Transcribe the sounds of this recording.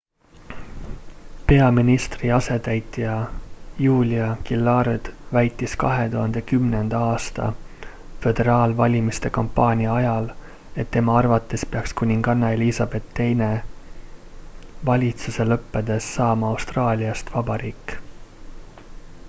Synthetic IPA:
pe̞ɑminist̪riɑse̞t̪æjt̪ːˑijɑjuːlʲiɑkilːɑɾed̪̥væjt̪ˑːiskɑɦe̞t̪uhɑnd̪̥e̞kymne̞nd̪̥ɑɑːst̪ɑ̰ | fe̞d̪̥e̞ɾɑːlvɑlʲimist̪e̞kompːɑːnʲiɑɑjɑl | e̞t̪ːe̞mɑɑrvɑt̪ːˑespe̞ɑkskunʲiŋɡ̥ɑnːɑeliːsɑb̥e̞t̪ːe̞jne | vɑlʲit̪suse̞lɤpːe̞d̪̥e̞sːɑːmɑɑwst̪rɑːlʲiɑst̪vɑbɑɾiːkːˑ

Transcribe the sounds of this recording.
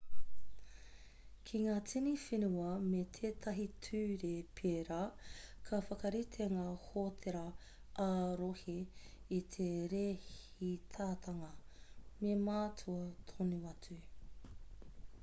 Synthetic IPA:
kʰiŋaːt͡sinifenuɐmet̪ʰeːt̪ʰɐɦitʰʉːɾepʰeːɾakʰɐfɐkɐɾit̪ʰeŋaːhotʰeɾɐ | ʔaːɾohiit̪ʰeɾehit̪ʰaːt̪ʰɐŋɐmemaːtʰuɐtʰonuɐt͡sʉ

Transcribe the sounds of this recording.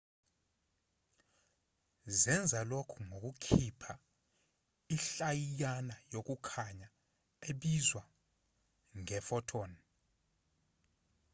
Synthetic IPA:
zɛnd͡zʱalokʰuŋok̬ukʰipʰa | iɬajijanajok̬ʼukʰaɲa | eɓizwa | ŋɛfɔtʰɔːni

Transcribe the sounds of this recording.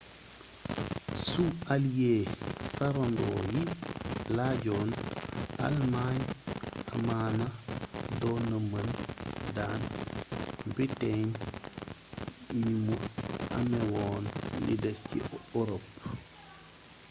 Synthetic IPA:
sualjeːfaɾɔndɔːjilaːɟɔːna̰lmaɲa̰maːnɐdɔːnɐmɐndaːn | biteɲ | mimua̰mɛwɔːnlḭdɛscḭoɾɔp

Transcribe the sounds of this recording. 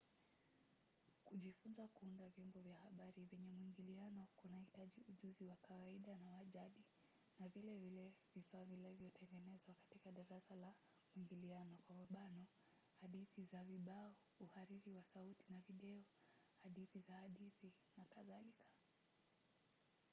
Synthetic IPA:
kuʄifunzakuundavjɔmbɔvjahaɓaɾivɛɲɛmwiŋɡilianɔkunahitaʄiuʄuziwakawaiɗanawaʄaɗi | navilɛvilɛvifaːvilɛvjɔtɛŋɡɛnɛzwakḁtikaɗaɾasala | muwiŋɡilianɔkwamaɓanɔ | haɗiθizaviɓaɔ | uhaɾiɾiwasautinaviɗɛɔ | haɗiθizahaɗiθi | nakaðalikʰḁ

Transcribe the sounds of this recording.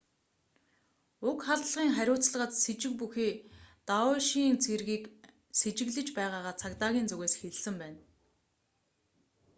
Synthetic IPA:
ʊkχaɮɮʁiːŋχæɾʲʊːt͡sɮə̆ʁə̆t̪set͡ɕɪ̆k̚puxiːt̪aʊʃint͡sʰerɣiːk | set͡ɕɪ̆ɣɮɘ̆t͡ɕpæːʁaːʁaːt͡sʰakt̪aːɣʲiːnt͡sɵɣeːsxeɮ̆sɘ̆mpæːn

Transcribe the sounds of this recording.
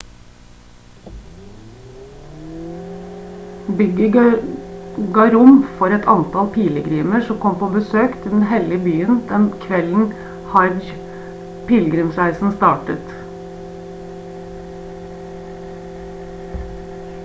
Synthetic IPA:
bʏɡə | ɡɑɾʊmfɔɾɛt̪ʰɑnt̪ʰɑlpʰiːləɡɾiːməʂɔmkʰɔmpʰoːbəsøːkt̪ʰɪld̪ɛn̩hɛlɪəbyːənd̪̥ɛnkʰʋɛln̩ | hɑɾd͡ʒ | pʰɪːlɡɾʏmsɾæɪsn̩st̪ɑːʈət̪

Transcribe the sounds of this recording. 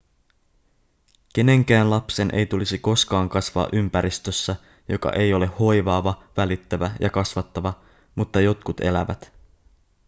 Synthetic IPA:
k̟e̞ne̞ŋk̟æːnlɑpse̞nʔe̞̰jt̪ulisiko̞skɑːŋkɑsʋɑ̰ːʔympæɾist̪øsːæ | jo̞kɑ̰ʔe̞jo̞le̞ho̞jʋɑːʋɑʋælit̪ːæʋæjʔɑkɑsʋɑt̪ːɑʋɑ | mut̪ːɑjo̞t̪kut̪e̞̰læʋæ̰t̪

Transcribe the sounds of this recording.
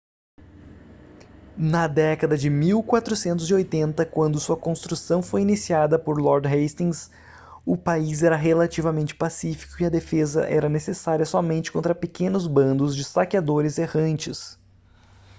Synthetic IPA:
nɐd̪ɛkɐd̪ɐd͡ʒɪmiwkwat̪ɾusẽnt̪ʊzɪojt̪ẽnt̪ɐkwɐ̃nd̪ʊsuɐkõst̪ɾusɐ̃w̃fojinisiad̪ɐpoɾlɔɾd͡ʒ̪ɦest̪ĩŋs | ʊpaizɛɾɐɦelat͡ʃivɐmẽnt͡ʃɪ̥pasifi̥kʊiɐd̪efezɐ̰ʔɛ̰ɾɐnesesaɾiɐsɔmẽnt͡ʃɪ̥kõt̪ɾɐpekẽnʊzbɐ̃nd̪ʊzd͡ʒɪst̪akiad̪oɾɪzehɐ̃nt͡ʃɪs

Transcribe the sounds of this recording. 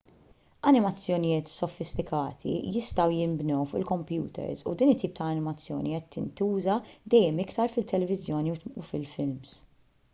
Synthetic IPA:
ɐnɪmɐt͡sːjɔnɪjɪːt̪sɔfɪst̪ɪkʰɐːt̪ʰḭjɪst̪ɐwjɪmbnɔwfʊʔɪlkɔmpjṵːt̪ɛ̰ɾsṵd̪iːnɪt̪ːiːp̚t̪ɐːnɪmɐt͡sːjɔ̰ːniɛt̪ːɪ̰nt̪uːzɐd̪ɛjːɛmɪkt̪ɐɾfɪt̪ːɛlɛvɪzjɔːniṵfɪlfɪlms

